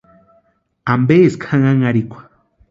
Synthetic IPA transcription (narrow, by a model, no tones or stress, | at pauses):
ambeskʰaŋaŋaɾikʷḁ